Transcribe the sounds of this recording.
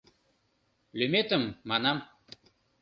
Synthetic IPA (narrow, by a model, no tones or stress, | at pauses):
lømet̪ə̆mːɑnɑm